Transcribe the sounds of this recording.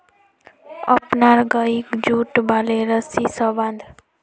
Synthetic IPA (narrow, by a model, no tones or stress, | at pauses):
ə̰pnaɾɡəikd͡ʒuʈbaleɾəsisəbãnd̪ʱ